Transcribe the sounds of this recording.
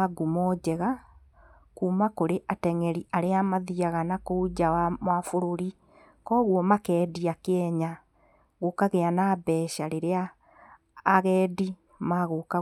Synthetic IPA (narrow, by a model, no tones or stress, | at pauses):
aɡumɔd͡ʑɛɣa | kuːmakoɾeʔatɛŋɛɾiʔaɾeamaðiaɣanakoud͡ʑawamwafoɾoɾi | kɔːɣwɔmakɛːdiakɛɲa | ɣokaɣeanabɛʃaɾeɾeaː | ɣɛːdi | maɣoka